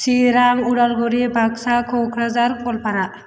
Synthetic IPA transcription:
siɾaŋuɽalɡɔɾibʱaksakʰokʰɾazaɾkɔlpaɾaʔ

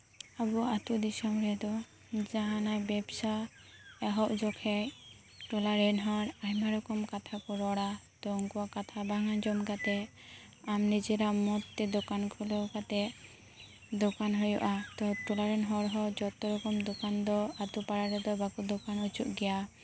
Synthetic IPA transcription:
abuat̪ud̪isɔmɾɛd̪ɔ | d͡ʒaɦãnajbɛbsa | ɛɦɔʔd͡ʒɔkʰɛ | ʈɔlaɾɛnɦɔɾajmaɾɔkɔmkat̪ʰakɔɾɔɽat̪ɔŋkuakat̪ʰabaŋand͡ʒɔmɡat̪ɛ | amnid͡ʒɛɾaʔmɔt̪ːɛd̪ɔkankʰulɔɡat̪ɛ | d̪ɔkanɦɔjɔʔat̪ɔʈɔlaɾɛnɦɔɾɦɔd͡ʒɔt̪ɔɾɔkɔmd̪ɔkand̪ɔat̪upaɽaɾɛd̪ɔbakud̪ɔkanut͡ʃuʔɡɛja

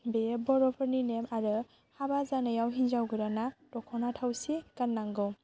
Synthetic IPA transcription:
bebɔɾɔpʰəɾninemaɾɯ | habazanɯjawɦind͡ʒawɡɯɾanadɔkʰɔnatʰawsikanːaŋɡɯw

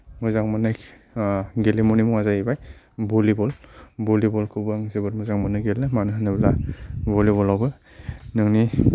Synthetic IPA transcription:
muzaŋmanaj | ɡelemɔnimɔŋazajibaj | bɔlibɔlbɔlibɔlkʰubɯŋzibɯɾmuzaŋmanɯɡelːɯmanɯɦnɯblabɔliβɔlawbɯ | nɯŋni

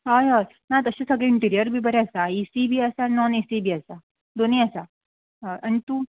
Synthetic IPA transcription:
ɦajɦa | nat̪əɕasəɡɭeiɳʈiɾijəɾbʱiːbəɾeəsaisibʱiːəsanɔnisibʱiːəsa | d̪oniːəsa | ʔaɽ̃it̪uː

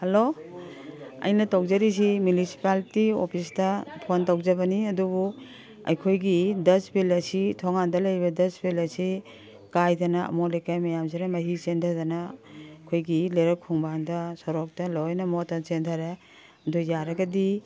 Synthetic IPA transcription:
helo | ɐ̰jnɐtowzɐɾis̬imjunisi̥paltiopʰistɐpʰontawzɐbɐniɐdubu | ɐ̰jkʰojɡidɐsbʰilɐsitʰɔŋandɐlɐjbɐdɐsbilɐsi | kajdɐnɐɐ̰mɔlejkajmɐjamsiɾamɐɦisentʰɐdɐnɐkʰojɡileɾɐkʰuŋbandɐsɔɾɔk̚tɐlojnɐmɔtːɐt͡ʃentʰaɾe | ɐdujaɾɐɡɐdi

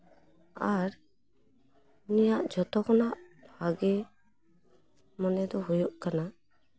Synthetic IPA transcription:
aɾ | nijaʔd͡ʒʱɔt̪ɔkɔnaʔb̥ʱaɡɛ | mɔnɛd̪ɔɦujɔʔkana

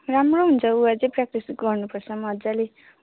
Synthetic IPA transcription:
ramroɦunt͡sʰʌuad͡zẽprak̚ʈisɡʌrnupʌrt͡sʰʌmʌd͡zale

